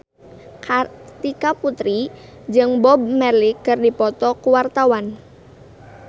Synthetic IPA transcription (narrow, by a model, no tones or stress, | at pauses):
kat̪ikaput̪ɾi | d͡ʒɨŋbɔb̚mɛlikɨrdipɔt̪ɔkuwart̪awan